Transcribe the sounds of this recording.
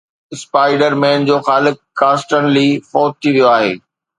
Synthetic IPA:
ɪspaːɪɖəɾmẽːnd͡ʑoːxaːlɪk | kãːsʈənlifɔːt̪̚t̪ʰːiʋijoaːɦḛː

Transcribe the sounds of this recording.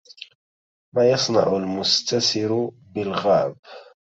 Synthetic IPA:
maːjɑsˤnɑ̰ʕʊlmʊst̪asɪɾ | bɪlɣaːb

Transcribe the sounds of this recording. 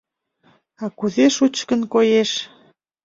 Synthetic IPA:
ɑkuzeʃut͡ɕkənkojeʃ

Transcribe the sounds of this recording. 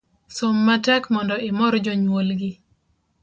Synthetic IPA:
somːatɛkmɔndɔɪmɔɾɔd͡ʒɔɲwolɡɪ

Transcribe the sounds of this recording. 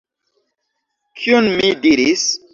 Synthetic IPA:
kʰiunmidiɾis

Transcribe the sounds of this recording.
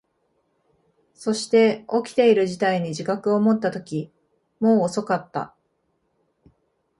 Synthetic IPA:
so̞ɕi̥t̪e̞o̞kʲi̥t̪e̞iɾɯ̟ʑit̪aiɲ̟iʑikakɯ̟o̞mo̞t̪ːat̪o̞kʲi | mo̞ːso̞kat̪ːa̰

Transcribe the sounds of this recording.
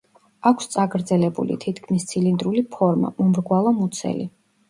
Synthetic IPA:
akʰst̪sʼaɡɾd̪zɛlɛbṵlḭt̪ʰit̪ʰkʰmist̪sʰilind̪ɾulipʰɔɾma̰mɔmɾɡwalˠamut̪sʰɛ̰li

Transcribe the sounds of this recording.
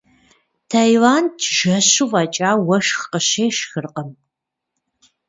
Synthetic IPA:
tʰaːjwaːntʰʒɐɕuvɐt͡ʃʼaːwɐʃxqəɕeːʃxɨrqəm

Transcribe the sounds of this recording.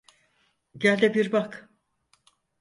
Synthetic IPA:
ɟælʲd̪ɛbiɾbak

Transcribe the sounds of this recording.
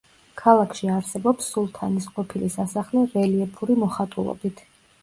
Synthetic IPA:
kʰalˠakʰʃiaɾsɛbɔpsːulˠt̪ʰanisqʼɔpʰilisasaχlɛɾɛliɛpʰuɾimɔχat̪ʼulˠɔ̰bit̪ʰ

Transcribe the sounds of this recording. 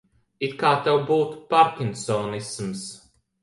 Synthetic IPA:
it̪kaːt̪ɛwbuːt̪paɾkʲinsɔːnisms

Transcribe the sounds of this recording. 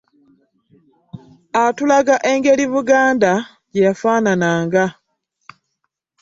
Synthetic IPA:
atulaɡaʔe̞ŋɡe̞liβuɡaːnda | ɟejafaːnanaːŋɡa

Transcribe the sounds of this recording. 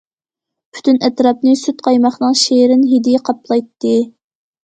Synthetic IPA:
pʰy̥t̪ʰynʔɛt̪ɾɑp̚nɨsyt̪̚qʰɑjmɑχnɨŋʃeɾɪnɦid̪ijɛqʰɑplˠɑjt̪ːɨ

